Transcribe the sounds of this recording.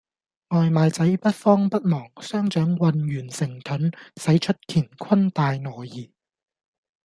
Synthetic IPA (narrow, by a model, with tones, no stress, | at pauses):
ŋɔː˨˧jmaː˨˧jt͡sɐ˨˥jpɐ˥t̚fɔː˥ŋpɐ˥t̚mɔː˨˩ŋsœː˥ŋt͡ʃœː˨˥ŋwɐ˨˧nɥyː˨˩nsɪ˨˩ŋt̪ʰɵ˨˥nsɐ˨˥jt͡ʃʰɵ˥t̚kʰiː˨˩nkʰɐ˥nt̪aː˨jnɔː˨˩jjiː˨˩